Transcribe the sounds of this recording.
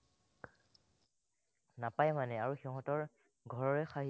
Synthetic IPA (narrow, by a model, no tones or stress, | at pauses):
napajmanɛaɹuxiɦɔ̃tɔɹ | ɡʱɔɹɔɹɛxaɦi